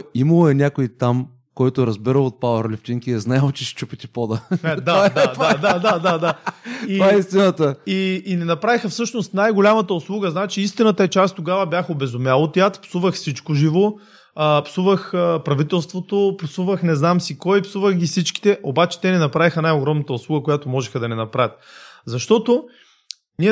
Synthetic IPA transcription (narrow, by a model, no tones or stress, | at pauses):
iməlˠoɛnʲakoit̪am | kɔjt̪oɾɐzbiɾəlˠot̪̚pavəɾlʲɛft͡ʃ̪iŋkiɛznajalˠt͡ʃɛʃɛ̥t͡ʃupɛt̪ipɔd̪əɛd̪ad̪aad̪ad̪ad̪ad̪ativaɛist̪inət̪əiːnɛnɐpɾavixɐfsɤʃnost̪najɡolʲamɐət̪əʊslˠuɡəznat͡ʃiist̪inət̪əɛt͡ʃast̪t̪oɡavɐbʲjaxobɛzʊmʲjalˠot̪iat̪psuvəxfsit͡ʃkoʒivo | əpsuvəxəpɾɐvit̪ɛlˠst̪vot̪opsuvəxnɛznamsikɔjpsuvəxɡʲifsit͡ʃki̥t̪ɛʔobat͡ʃɛ̥t̪ɛnɛnɐpɾavixənajoɡɾɔmnɐt̪əʊslˠuɡəkojat̪omɔʒɛxəd̪ɐnɛnɐpɾavʲjət̪̚zɐʃt̪ɔt̪o | niɛ